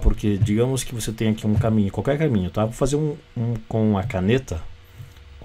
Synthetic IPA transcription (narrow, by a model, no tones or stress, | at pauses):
poɾked͡ʒiɡɐ̃mʊskɪvoset̪ẽj̃akiũkamĩɲʊkwawkɛɾkamĩɲʊt̪avofazeɾũũkõɐkanet̪ɐ